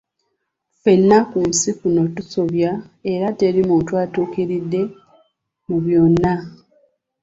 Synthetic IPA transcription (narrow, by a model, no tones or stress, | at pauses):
fe̞nːakum̩sikuno̞tuso̞βja | e̞ɾate̞ɾimutwaːtukeɾidːe̞ | muβjo̞nːa